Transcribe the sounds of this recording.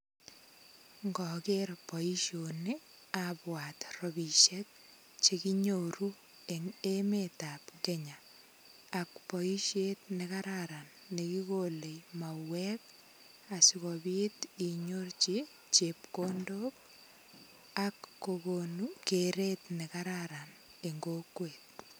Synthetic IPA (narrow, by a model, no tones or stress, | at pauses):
ŋɡɔkeɾpɔiʃone | apwat̪rɔbiʃɛt̚ | t͡ʃekiɲoɾu | eŋemetapkeɲaː | k̚pɔiʃet̪nekaɾaɾanːekikolejmawɛk | asikɔbitiɲort͡ʃi | t͡ʃep̚kondok̚ | akːokonukeɾet̪nekaɾaɾan | eŋɡokwet̪̚